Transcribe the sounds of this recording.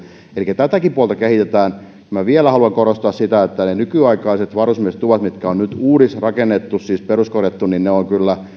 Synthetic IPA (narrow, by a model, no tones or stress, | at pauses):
elikːˑæt̪æt̪ækipuolt̪ɑkehit̪et̪æːn | kymæʋielæhɑluɑŋkorost̪ɑːssit̪æet̪ːænenykyɑikɑiset̪ʋɑrusmiese̥t̪ːuʋɑt̪mit̪kæonnyt̪uːɾisrɑkenːet̪ːussiːsperuskorjeɑt̪ːunninneoŋkylːæ